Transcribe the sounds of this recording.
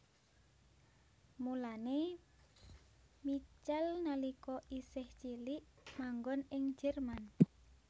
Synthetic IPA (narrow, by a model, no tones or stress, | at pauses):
mulane | mit͡ʃalnalikɔʔisɪht͡ʃiliʔ | maŋɡɔnɪŋd͡ʒɛrman